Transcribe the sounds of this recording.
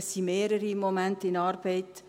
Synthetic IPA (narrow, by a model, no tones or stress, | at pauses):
simeːɾəɾimomɛntəɪnɑːɾb̥ɛɪt